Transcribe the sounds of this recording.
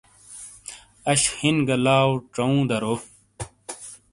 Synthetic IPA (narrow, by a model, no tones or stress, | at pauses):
ɐɕhinɡɐlaːwʈ͡ʂɐũːd̪ɐɾoː